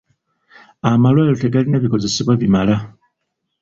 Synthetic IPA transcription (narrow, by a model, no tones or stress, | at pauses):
amalwaːlote̞ɡalinaβiko̞ze̞seβwaβimala